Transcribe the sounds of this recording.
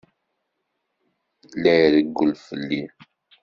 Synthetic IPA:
læjɾəɡːulfəlːi

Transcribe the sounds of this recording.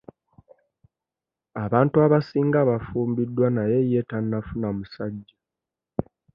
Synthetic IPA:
aβaːntuaβasiːŋɡaβafuːmbidːwanajeje̞tanːafunamusaɟːa

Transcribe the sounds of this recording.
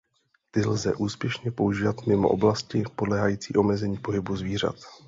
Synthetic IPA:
t̪ɪlzɛ̰ʔuːspjɛʃɲɛpo̞uʒiːvat̪mɪmoʔo̰blascɪpo̞dlɛːɦajiːt͡sḭːʔomɛzɛɲiːpo̞ɦɪbuzviːr̝a̰t̪

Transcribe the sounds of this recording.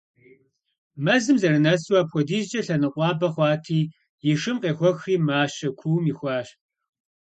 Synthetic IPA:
mɐzɨmzɐɾɨnɐswaːpxʷɔdiːʒd͡ʒɐɬɐnɨqʷʼɑːbɐχʷɑːtʰiː | jɪʂɨmqʼeːxʷɔxriːmaːɕɐkʷʰuwmixʷɑːɕ

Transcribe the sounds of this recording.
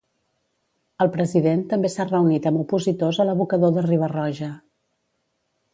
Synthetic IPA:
əlˠpɾəziðent̪əmbesarəunit̪əmupuzit̪ozələβukəðoðəriβ̞ərɔʒə

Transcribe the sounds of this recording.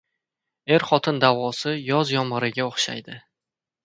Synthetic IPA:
e̞ɾχɒt̪ʰɪnd̪avɒsɪjɒzjɒmɒɾɪɡʲaoχʃa̰jd̪ɪ

